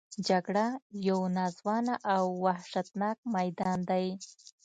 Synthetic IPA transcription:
d͡ʒaɡɽajawnɑzwɑnaʔawːahʃat̪nɑk̚majd̪ɑnd̪aj

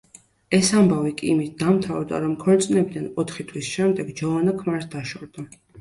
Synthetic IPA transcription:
ɛsambavikʼimit̪̚ʰd̪amt̪ʰavd̪a̰ɾɔmkʰɔlt̪sʼnɛbid̪anɔt̪ʰχit̪ʰwisʃɛmd̪ɛɡd͡ʒɔvanakʰmaɾsd̪aʃɔɾd̪a

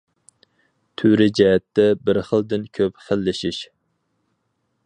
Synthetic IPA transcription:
t̪ʰyɾɪd͡ʒɛɦɛt̪ːɛbɪɾχəlˠd̪ɪnkʲʰøpχəlːɪʃiʃ

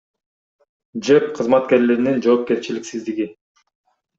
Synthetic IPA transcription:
d͡ʒep̚qʰɯzmɑt̪ke̞ɾleɾinind͡ʒo̞ːp̚ke̞ɾt͡ʃiliksizd̪iɡi

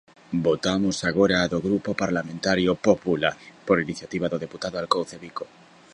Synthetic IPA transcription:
bot̪amosaɣ̞oɾaːðoɣɾupopaɾlamẽnt̪aɾjopopulapoɾiniθjat̪iβ̞aðoðeput̪aðoalkowθeβiko

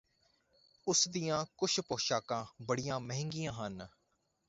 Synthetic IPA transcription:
ʊsd̪ijãːkʊʃʰpoːʃaːkãːbəɽijãːməɦɪ̃ŋɡijãːɦən

